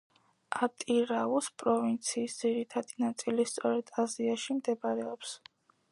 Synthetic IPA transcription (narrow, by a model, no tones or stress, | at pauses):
at̪ʼiɾauspʼɾɔvint̪sʰiːsd̪z̥iɾit̪ʰad̪inat̪sʼilist̪sʼɔɾɛd̪̥aziaʃimd̪ɛbaɾɛɔps